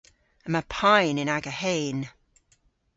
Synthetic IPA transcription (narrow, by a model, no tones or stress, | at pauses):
əməpʰaɪnɪ̃naɡəheːn